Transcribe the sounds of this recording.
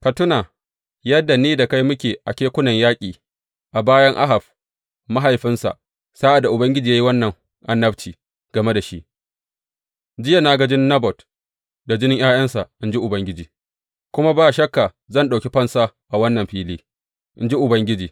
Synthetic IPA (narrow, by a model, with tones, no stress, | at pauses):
ka˨tʊ˦naː˨ | jɐ˦dːa˨niː˦da˨ka˦jmʊ˦kʲeː˨ʔa˨kʲeː˦kʷʊ˦nɐ˨ɲjaː˦kʲʼiː˨ | ʔa˨baː˦jɐ˦ŋʔa̰˦ɦa˨b | ma˦ɦa˨jɸɪ˦nsa̰˨ʔ | saː˦ʔa˨dːa˨ʔʊ˨bɐ˦ŋɡʲɪ˦d͡ʒiː˨jaː˦ji˦wɐ˦nːɐ˨ŋ | ʔa˨nːɐ˦btiː˨ | ɡ̥ɐ˨me˦da˨ʃi˦ʔ | d͡ʒɪ˦ja˨naː˦ɡɐ˦d͡ʒɪ˦nːɐ˦bɔ˨t | da˨d͡ʒɪ˦nɪ˦ŋj̰aː˦jɐ˦nsa˨ʔʔɪ˦nd͡ʒi˦ʔʊ˨bɐ˦ŋɡʲɪ˦d͡ʒiː˨ | kʷʊ˦ma˦baː˦˨ʃɐ˦kːa˨ | zɐ˦˨nɗa˨kʲi˦ɸɐ˦nsa˦ʔa˨wɐ˦nːɐ˨mɸiː˦liː˦ | ʔɪ˦nd͡ʒi˦ʔʊ˨bɐ˦ŋɡʲɪ˦d͡ʒiː˨